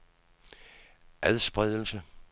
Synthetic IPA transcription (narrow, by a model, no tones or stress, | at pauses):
ʔæðˠsb̥ʁɛðˠəl̩sə